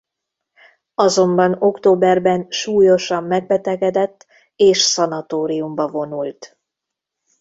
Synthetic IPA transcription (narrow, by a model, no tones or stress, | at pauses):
ɒzo̞mbɒno̞kt̪oːbɛrbɛnʃuːjo̞ʃɒmːɛɡ̚bɛt̪ɛɡɛd̪ɛt̪ː | eːʃsɒnɒt̪oːɾijumbɒvo̞nult̪